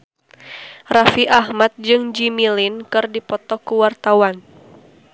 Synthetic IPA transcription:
rafiʔahmat̪̚d͡ʒɨŋd͡ʒimilinkɨrdipɔt̪ɔkuwart̪awan

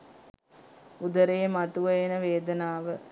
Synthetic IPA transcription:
ud̪əɾejəmat̪uʋəjenəʋeːd̪ənaːʋə

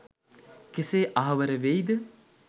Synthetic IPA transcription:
keseːʔaɦɐʋəɾəʋejd̪ə

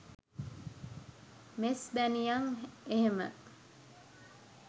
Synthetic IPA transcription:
mesbænijɐŋeɦemə̰

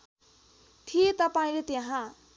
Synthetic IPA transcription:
t̪ʰijet̪ʌpaĩlet̪jeɦã

